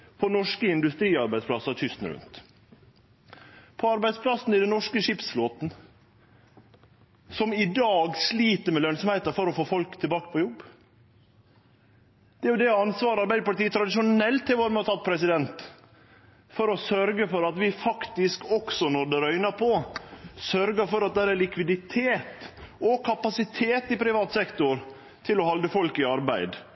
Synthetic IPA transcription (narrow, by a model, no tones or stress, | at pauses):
pʰɔnɔʂkəɪnd̪ʉst̪ɾiːɑɾbæɪd̪splɑsɑt̪ʰʏst̪n̩ɾʉ̰nt̪ | pʰɔɑɾbæɪspʰlɑsn̩ɪd̪ɛnɔʂkəʂɪpsfloːt̪n̩ | sɔmɪd̪ɑːɡsliːt̪əɾmɛlœnsɔmhæɪt̪ɑfɔɾɔfoːfɔlkt̪ʰɪbɑːkə̥pʰɔjɔbː | d̪̥ɛæɾjʊd̪ɛɑnsʋɑːɾɑɾbæɪd̪əpɑlt̪iːət̪ʰɾɑd̪ɪʃʊnɛlt̪ʰːɪlʋoːɾmɛɔt̪ʰɑt̪̚ːpʰɾɛsɪd̪ɛnt̪ | fɔɾɔsœɾɡəfɔɾɑt̪ʋɪfɑkt̪ɪskɔksɔnɔɾd̪ɛɾœʏnəɾpʰɔsœɾɡəɾfɔɾɑt̪̚d̪ææɾælɪkʋɪd̪ɪt̪ʰeːt̪ɔkʰɑpɑsɪt̪ʰeːt̪ɪpʰɾɪʋɑːt̪sɛkt̪ʊɾ | t̪ʰɪlɔhɑld̪əfɔlkɪɑɾbæɪd̪